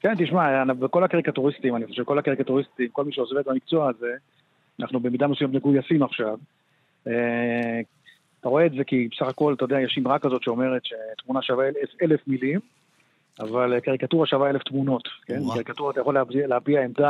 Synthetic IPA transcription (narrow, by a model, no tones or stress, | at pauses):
ke̞nt̪iʃmaanabeko̞lhakaʁikat̪uʁistimaniχoʃevkolhakaʁikat̪uʁist̪imko̞lmiʃeozvet̪̚bamik̚t͡soaze̞ | anʔaχnube̞mid̪amesujamneɡujasimaχʃav | e | at̪aʁo̞e̞ːtze̞kibesaχako̞lt̪ajod̪eajeʃimʁakːazo̞t̪ʃeo̞me̞ʁet̪ʃe̞t̪munaʃavaelefelefmilim | avalkaʁikatuʁaʃavaeleft̪muno̞t̪ke̞naʁikat̪uʁat̪ajaχo̞leleapiaemd̪a